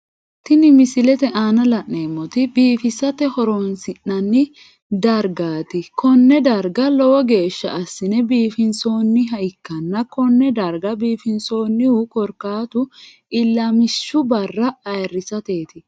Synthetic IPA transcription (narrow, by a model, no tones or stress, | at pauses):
t̪ɪnɪmɪsɪlɛt̪ɛʔaːnɐlɐʔneːmːɔt̪ɪbiːfɪsɐt̪ɛhɔɾonsɪnːɐnːɪ | d̪ɐɾɡaːt̪ɪkɔnːɛd̪ɐɾɡɐlɔwɔɡe̞ːʃːɐɐsːɪnɛbiːfɪnso̞ːnːɪɦɐɪkːɐnːɐkɔnːɛd̪ɐɾɡɐbiːfɪnso̞ːnːɪhʊkɔɾkaːt̪ʊ | ɪlːɐmɪʃːʊbɐrːɐːjrːɪsɐt̪e̞ːt̪ɪ